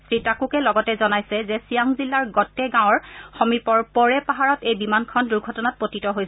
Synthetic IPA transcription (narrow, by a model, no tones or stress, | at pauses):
sɹitakukɛlɔɡɔtɛzɔnajsɛzɛsijaŋzilːaɹɡɔtɛɡãw̃ɔɹxomipɔɹpɔɹɛpaɦaɹɔtejbimankʰɔnduɹɡʱɔtɔnat̚potitɔɦojsɛ